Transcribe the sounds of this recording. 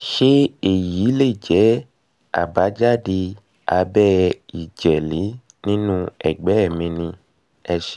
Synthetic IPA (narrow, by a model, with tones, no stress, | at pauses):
ʃe˦e˦˨ji˨˦le˦˨d͡ʒɛ˨˦ | a̰˨ba˨˦d͡ʒa˦di˧ | a˧bɛ˦i˨d͡ʒɛ˨li˨˦ | nĩ˦nũ˦ɛ˨ɡ͡bɛ˨˦ɛ˦˨mĩ˧nĩ˧ | ɛ˧ʃɛ˧